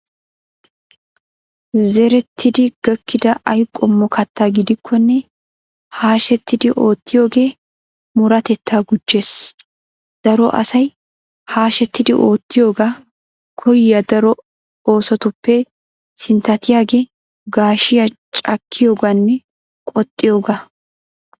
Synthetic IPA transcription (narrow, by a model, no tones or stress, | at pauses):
zɛɾɛt̪ʰːɪd̪ɪɡ̥ɐkːɪd̪ɐʔɐjkʼːɔmːɔkʰɐt̪ːaːɡɪd̪ɪkʰːɔnːɛ | haːʃɛt̪ːɪd̪ɪʔo̞ːt̪ːɪjo̞ːɡe̞ː | mʊɾɐt̪ɛt̪ʰːaːɡʊd͡ʒːe̞ːs | d̪̥ɐɾɔʔɐ̰sɐj | haːʃɛt̪ːɪd̪ɪʔo̞ːt̪ːɪjo̞ːɡaː | kʰɔjjɐd̪ɐɾɔ | oːsɔt̪ʊpːɛ | sɪnt̪ːɐt̪ɪjaːɡe̞ː | ɡaːʃɪjat͡ʃʼɐkʰːɪjo̞ːɡaːnːɛ | kʼɔt̪ʼːɪjo̞ːɡaː